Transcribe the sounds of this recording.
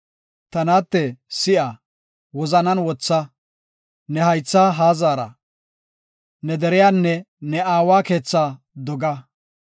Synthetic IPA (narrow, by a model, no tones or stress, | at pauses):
t̪ɐnaːt̪ːɛsɪʔa | wɔzɐnɐnwɔt͡sːɐ | nɛhɐjt͡sːaːɦaːzaːɾɐ̰ | nɛd̪ɛɾɪjaːnːɛ | nɛaːwaːke̞ːt͡sːaː | d̪ɔɡɐ